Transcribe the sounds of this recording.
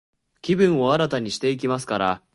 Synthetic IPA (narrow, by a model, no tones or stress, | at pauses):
kʲibɯ̟̃ɰ̃o̞aɾat̪aɲ̟iɕi̥t̪e̞ik̬ʲimasɨ̥kaɾa